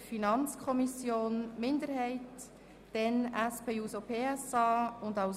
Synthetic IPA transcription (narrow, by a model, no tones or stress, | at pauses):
finɑnt͡skʰɔmisjoːnmɪndəɾɦɛɪt | d̥ɛnæspʰeːuːsopʰeːɛsɑːʊndaʊ